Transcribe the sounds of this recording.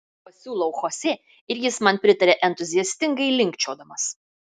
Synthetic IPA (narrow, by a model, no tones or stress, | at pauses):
pɐsʲuːlˠɐʊxosʲeː | ɪɾjɪsmɐnpʲɾʲɪt̪ɐɾʲeːʔɛnt̪ʊzʲɪjɛsʲt̪ʲɪŋɡɐɪlʲɪŋʲkt͡ʃʲoːd̪ɐmɐs